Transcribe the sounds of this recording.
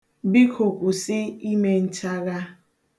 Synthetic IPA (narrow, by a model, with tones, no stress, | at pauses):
bi˦kʰo˨kʼu˨sɪ˦i˦me˦n̩˦t͡ʃa˦ɣa˦